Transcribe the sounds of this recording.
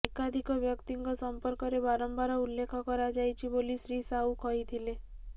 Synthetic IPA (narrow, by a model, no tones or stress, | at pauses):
ekad̪ʱikɔbjɔkt̪iŋkɔsɔmpɔɾkɔɾebaɾɔmbaɾɔulːekʰɔkɔɾad͡ʒajt͡ʃʰibolisɾisaukɔjt̪ʰile